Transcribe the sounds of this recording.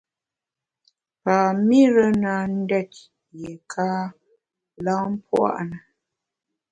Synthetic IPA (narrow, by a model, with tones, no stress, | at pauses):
paː˨mi˦ɾə˦na˨n̩˦dɛ˦˨t̚ | jɛ˨kʰa˦ | la˦m˦pwa̰˦ʔnə˨